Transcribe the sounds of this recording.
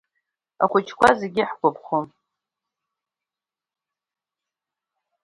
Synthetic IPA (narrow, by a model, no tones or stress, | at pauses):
a̰χʷʊt͡ʃʰkʷʰazeɡʲɪħɡʷapʰχʷom